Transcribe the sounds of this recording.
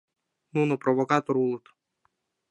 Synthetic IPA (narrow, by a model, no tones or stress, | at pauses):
nunopɾovokat̪oɾut̪